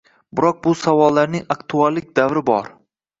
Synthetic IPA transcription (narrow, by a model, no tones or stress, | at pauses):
bɪɾɒq̚bʊsavɒlˠːaɾnɪŋakt̪ʰualːɪk̚ʲd̪avɾɪbɒɾ